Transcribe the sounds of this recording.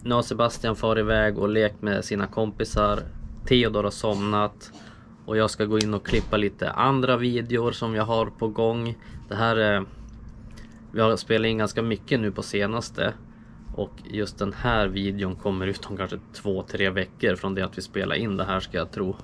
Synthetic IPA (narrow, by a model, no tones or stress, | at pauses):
nasɛbast̪ɪanfɑːɾɪvɛːɡɔleːkmɛsiːnakʰɔmpɪsaɾt̪ʰiːɔd̪ɑːɾasɔmnat̪ | ʔɔjɑːɡskaɡoːɪnːɔkʰlɪpːaliːt̪ə̰ʔand̪ɾaviːd̪ɛʊɾsɔmjɑɦaɾpʰɔɡɔŋːd̪̥ɛɦæːɾ | vɪhaɾspeːlaɾɪnɡanskamʏkːənʉ̟ːpʰɔseːnast̪ʰə̰ | ʔɔkjɵst̪̚d̪ɛnhæːɾviːd̪ɛʊnkʰɔmːəɾʉ̟ːt̪ʰɔmkʰanʂət̪ʰvoːt̪ʰɾeːvɛkːəɾfɾɔnd̪ɛat̪vɪspeːlʔa̰ɾʔɪnd̪ɛɦæːʂkajɑt̪ʰɾuː